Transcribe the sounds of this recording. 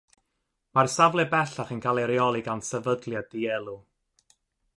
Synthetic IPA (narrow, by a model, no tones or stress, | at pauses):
marsavlˠɛbɛɬaχənkʰalˠɛɾiɔlˠiɡansɛvədlˠjadiɛlˠu